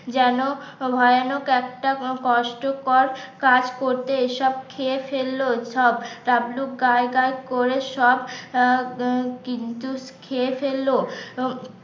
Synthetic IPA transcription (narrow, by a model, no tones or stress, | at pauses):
d͡ʑɛnobʱɔjanokɛk̚ʈakɔʃʈokɔɾkad͡ʑkoɾt̪eeʃɔb̚kʰefelːoʃɔbʈablukɡaeɡaekoɾeʃɔb | kint̪ukʰefelːo